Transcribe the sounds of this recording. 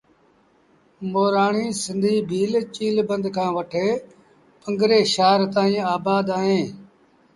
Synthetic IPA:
moːɾaːɳiːsɪ̃nd̪ʱiːbʱiːlt͡ʃiːlbə̃nd̪kʰãːʋəʈʰeː | pəŋɡɾeːʃaːɾt̪ãːĩːaːbaːd̪aːɦẽː

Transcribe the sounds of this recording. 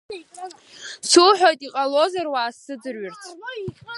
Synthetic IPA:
suħʷᶣojtʼiqʼalo̞zarwaːsɨdɨrɥɪrt͡sʰ

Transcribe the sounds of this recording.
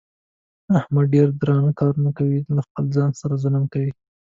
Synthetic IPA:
ahmaɖeɾd̪ɾɑnakɑɾunakawilaxpəlzɑnsaɾazʊləmkawi

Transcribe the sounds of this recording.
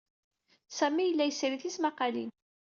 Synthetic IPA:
sæmijəlːæjəsɾiθismaqɑlḭn

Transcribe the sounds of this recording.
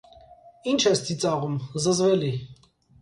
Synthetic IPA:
int͡ʃʰɛst̪ʰit͡sʼɑʁumzəzvɛli

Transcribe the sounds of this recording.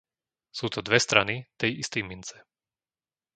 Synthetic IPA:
suːt̪ɔd̪ʋɛst̪ɾanit̪ɛjist̪ɛjmint͡sɛ̥

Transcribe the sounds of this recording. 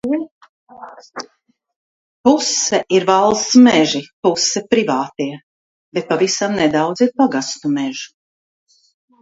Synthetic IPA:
pusːɛʔiɾvalˠst̪smɛʒipusːɛpɾivaːt̪iɛ | b̥et̪̚pavisamnɛd̪awd̪ziɾpaɡast̪umɛʒu̥

